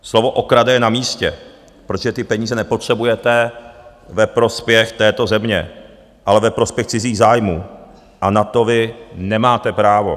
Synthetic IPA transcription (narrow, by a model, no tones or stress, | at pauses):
slovo̞ʔokɾadɛjɛnamiːscɛ | pɾot̪oʒɛt̪ɪpɛɲiːzɛnɛpo̞t̪r̥ɛbujɛt̪ɛ | vɛpɾo̞spjɛxt̪ɛːt̪o̞zɛmɲɛ̰ | ʔalɛvɛpɾo̞spjɛxt͡sɪziːɣzaːjmuː | ʔanat̪o̞vɪnɛmaːt̪ɛpɾaːvo̞̰